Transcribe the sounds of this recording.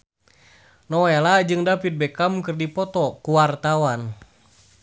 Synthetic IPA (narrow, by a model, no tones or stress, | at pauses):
nɔɛlad͡ʒɨŋdapit̪̚bɛkamkɨrdipɔt̪ɔkuwart̪awan